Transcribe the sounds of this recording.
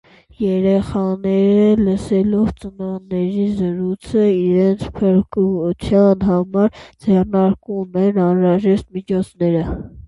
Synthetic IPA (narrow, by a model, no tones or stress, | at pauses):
jɛɾɛχɑnɛɾələsɛlɔvt͡sənɑnɛɾizəɾut͡sʰəiɾɛnt͡sʰpʰəɾkut͡sʰjɑnɦɑmɑɾd͡zɛrnɑɾkumɛnɑnɾɑʒɛʃt̪̚mit͡ʃʰɔt͡sʰnɛɾə